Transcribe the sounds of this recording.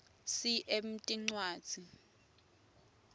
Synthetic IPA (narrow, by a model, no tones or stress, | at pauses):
siʔem̩tʼiŋ͡ǀwaːd̥z̥ʱi